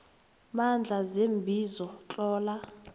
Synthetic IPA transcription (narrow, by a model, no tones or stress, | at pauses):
mand͡ɮʱazembʱizɔt͡ɬʼɔːla